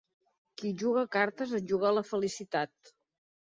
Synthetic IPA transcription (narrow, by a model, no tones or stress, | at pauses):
kiʒuɣ̞əkaɾt̪əzəʒuɣələfəlisit̪at̪̚